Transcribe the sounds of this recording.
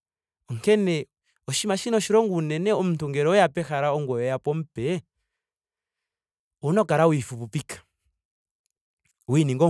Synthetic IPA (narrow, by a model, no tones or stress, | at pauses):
ɔŋkɛnɛ | ɔʃimaʃinɔʃiɾɔŋɡuːnɛnɛɔm̩tuŋɡɛɾɔjapɛxaɾaɔŋɡwɛjɔjapɔm̩pɛ | ɔnɔkaɾawifuβupikḁ | winiŋɡɔ